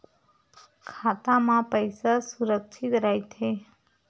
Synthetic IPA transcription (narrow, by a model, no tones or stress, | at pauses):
kʰat̪amãpəjsasuɾəkʃʰit̪ɾajt̪ʰe